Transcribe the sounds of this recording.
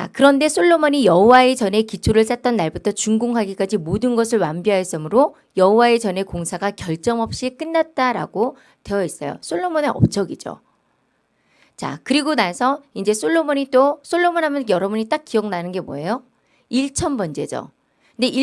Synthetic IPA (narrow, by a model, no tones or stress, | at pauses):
t͡ɕa̰kɯɾʌnde̞sʰoɭːomoɲijʌɦowaet͡ɕʌne̞kit͡ɕʰoɾɯɭs͈at̚t͈ʌnːaɭbutʰʌt͡ɕuŋɡuŋɦaɡik͈ad͡ʑimodɯnɡʌsʰɯɭwambiɦaes͈ɯmɯɾo | jʌɦowae̞t͡ɕʌne̞koŋsʰaɡakjʌɭt͡ɕ͈ʌmʌp̚ɕ͈ik͈ɯnːat̚t͈aɾa̰ɡo | te̞ʌis͈ʌjo̰sʰoɭːomoneʌ̰p̚t͡ɕ͈ʌɡid͡ʑo̰ | t͡ɕa̰kɯɾiɡonasʰʌind͡ʑe̞sʰoɭːomoɲit͈osʰoɭːomonɦamjʌnjʌɾʌbuɲit͈ak͈̚iʌŋnanɯnɡe̞mo̰ejo | iɭt͡ɕʰʌnbʌnd͡ʑe̞d͡ʑʌ̰ | nde̞ʔi